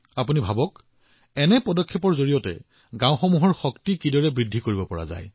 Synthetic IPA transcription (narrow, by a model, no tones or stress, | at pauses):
apunibʱabɔk | ɛnɛpɔdɔkʰːepɔɹzoɹijɔtɛ̰ | ɡãw̃xɔmuɦɔɹxɔktikidɔɹɛbɹidʱikoɹibɔpɔɹa̰za̰j